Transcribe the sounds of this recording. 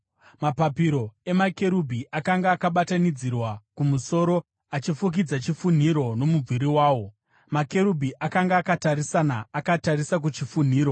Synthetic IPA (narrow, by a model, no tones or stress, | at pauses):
mapapiɾo̞e̞make̞ɾubʱiʔakaŋɡaːkaɓatanid͡zirwakumuso̞ɾo̞ | at͡ʃifuk̬id͡zat͡ʃifun̤iɾo̞no̞mub͡viɾiwaːwo̞ | make̞ɾubʱiʔakaŋɡaːkataɾisanaːkataɾisak̬ut͡ʃifun̤iːɾo̞